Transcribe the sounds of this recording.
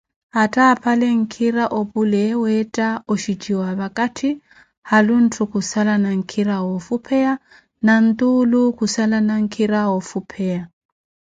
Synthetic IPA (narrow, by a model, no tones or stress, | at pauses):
atʰʼaːpʰaleŋ̩kʰiɾaʔobulɛwɛtʼaɔʃit͡ʃʼiwaβakʼatʰi | halun̩tʰukusalanaŋ̩kʰiɾawɔfupʰɛa | nan̩t̪ʼulukusalanaŋ̩kʰiɾawɔfupʰɛa